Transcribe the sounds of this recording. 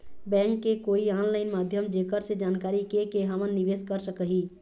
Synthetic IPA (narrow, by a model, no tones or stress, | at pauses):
bɛ̃ːŋkːekoːiãːnlaɪnmaːd̪ʱjəmd͡ʒekəɾsed͡ʒaːnkaːɾikekeɦəmənːiʋeːskəɾsəkəɦi